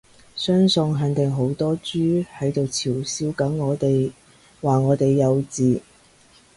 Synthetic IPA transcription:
sœː˥ŋsʊ˧ŋɦɐ˨˥nt̪ɪ˨ŋɦo˨˥wt̪ɔː˥t͡ʃyː˥hɐ˨˥jt̪o˨wt͡sʰiː˨˩wsiː˨˥wkɐ˨˥ŋŋɔː˨˧t̪e˨j | waː˨˩ŋɔː˨˧t̪e˨jːɐ˨˧wt͡siː˨

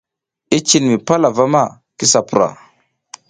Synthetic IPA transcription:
i˦t͡ʃi˦nmi˨pa˦la˨va˦ma˦˨ | ki˦sa˨pu˨ɾa̰˨

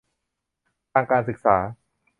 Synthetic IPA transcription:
t̪ʰaː˧ŋkaː˧nsɯ˨˩k̚saː˩˦

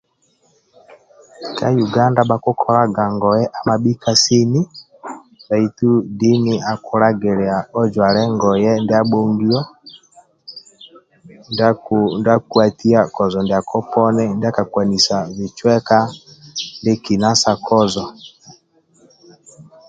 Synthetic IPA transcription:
ka˦ju˨ɡa˦nda˦ɓa˨kɔ˦kʰɔ˦ɾa˦ɡa˨ŋɡɔ˨jɛ˦ʔa˨ma˨ɓi˦ka˦si˦ni˦ | ba˨i˨tu˦di˦ni˦ʔa˨kɔ˨ɾa˦ɡɛ˨ɾɛ˨a˨ɔ˦d͡ʒwa˨ɾɛ˦ŋɡɔ˨jɛ˦ndɛ˦a˦ɓɔ˦ŋɡi˦ɔ˦ | nnda˦ku˦a˨ti˦a˦kɔ˨zɔ˨ndɛ˨a˨kʰɔ˦pɔ˦nɛ˦ndɛ˦a˦ka˨kwa˨ni˨sa˨vi˨t͡ʃwɛ˦ka˦ | ndɛ˦ki˨na˦sa˨kʰɔ˦zɔ˨

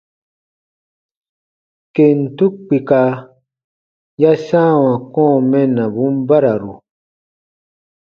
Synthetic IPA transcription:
ke˨n̩˨tu˦k͡pi˨ka˧ | ja˦sã˦˨wã˨kɔ̃ː˦˨mɛ̃˦nã˨bũ˨˦m˦ba˦ɾa˨ɾu˨

